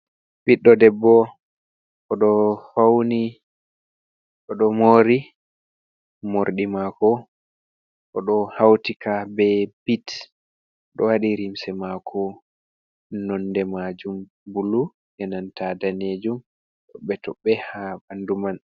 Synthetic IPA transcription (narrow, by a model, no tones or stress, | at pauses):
biɗːɔdɛbːɔ | ʔɔɗɔfawni | ʔɔɗɔmoːɾi | moɾɗimakɔ | ʔɔɗɔhawtikʰabɛbit | ɗɔ̰waɗiɾimsɛmakʰɔ | nɔndɛmad͡ʒum | bulu | ʔɛnantadaned͡ʒum | ɗɔɓɛtɔɓɛhabanduman